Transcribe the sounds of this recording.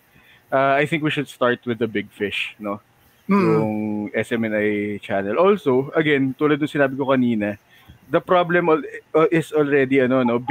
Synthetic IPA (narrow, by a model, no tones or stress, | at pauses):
ʔaajθɪ̃ŋkwiʃʊd̪̚st̪aɹt̪wɪðɐbɪɡ̚fɪʃno̞ | jʊŋʔɛsʔɛmɛnajt͡ʃanɛlʔolsoʔɐɡɛnt̪uːlɐd̪nʊŋsɪnaːbɪkokɐniːnɐ | d̪ɐpɾoblɛmʔɪsolɹɛd̪iɐno̞no̞b